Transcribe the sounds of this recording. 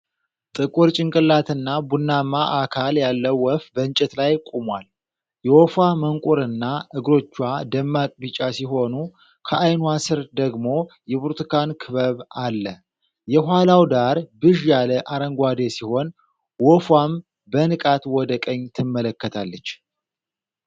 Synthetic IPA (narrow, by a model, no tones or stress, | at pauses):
t̪ʼɨkʼuɾt͡ʃʼɪŋkʼɨlːat̪ʰɨnːabunːamaʔakʰaljalːəwwɔfbənt͡ʃʼɛt̪lajkʼumwal | jɛwɔfwaməŋkʼuɾɨnːaʔɨɡɾo̞t͡ʃːwad̪əmːakʼbit͡ʃʼasiɦo̞nu | kʰəʔajnuasɨɾd̪əɡmo̞jɛbuɾt̪ʰɨkʰankʰɨβəβalːə | jɛɦʷwalawd̪aɾbɨʒjaləʔaɾəŋɡʷad̪esiho̞n | wɔfwam | bənɨkʼat̪wɔd̪əkʼəɲːt̪ʰɨmːələkːət̪ʰalːət͡ʃː